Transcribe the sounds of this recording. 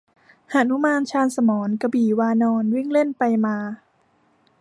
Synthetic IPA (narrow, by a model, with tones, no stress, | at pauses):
ha˨˩nu˦˥maː˧nt͡ɕʰaː˧nsa˧mɔː˩˦nka˧biː˨˩waː˧nɔː˧nwi˥˩ŋle˥˩npa˧jmaː˧